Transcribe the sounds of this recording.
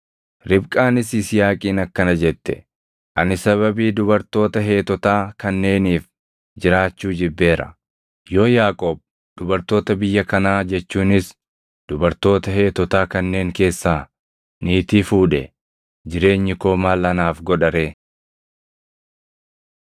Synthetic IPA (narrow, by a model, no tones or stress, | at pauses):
ɾɪbkʼaːnɪsɪsɪjaːkʼiːnɐkːɐnɐd͡ʒɛt̪ːɛ̰ | ʔɐnɪsɐβɐbiːd̪ʊbɐɾt̪o̞ːt̪ɐɦe̞ːt̪ɔt̪aːkɐnːe̞ːniːf | d͡ʒɪɾaːt͡ʃːuːd͡ʒɪbːe̞ːɾɐ̰ | jo̞ːjaːkʼoːb̚ | d̪ʊbɐɾt̪o̞ːt̪ɐbɪjːɐkɐnaːd͡ʒɛt͡ʃːuːnɪs | d̪̥ʊbɐɾt̪o̞ːt̪ɐheːt̪ɔt̪aːkɐnːe̞ːŋke̞ːsːaː | niːt̪iːfuːᶑɛ | d͡ʒɪɾe̞ːɲːɪko̞ːmaːlɐnaːfɡɔᶑɐɾe̞ː